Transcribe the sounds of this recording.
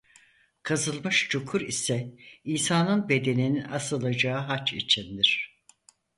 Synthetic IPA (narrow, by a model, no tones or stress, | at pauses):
kʰazɯlˠmɯʃt͡ʃʰokʰuɾḭsɛiːsaːnɯnbe̞d̪e̞nininasɯlˠad͡ʒaɯɦat͡ʃʰḭt͡ʃʰind̪iɾ̥